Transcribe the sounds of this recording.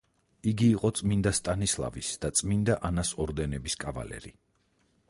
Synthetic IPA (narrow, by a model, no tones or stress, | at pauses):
iɡiːqʼɔt̪sʼmind̪ast̪ʼanislˠa̰visd̪̥at̪sʼmind̪aʔanasɔɾd̪ɛnɛbiskʼava̰lɛ̰ɾi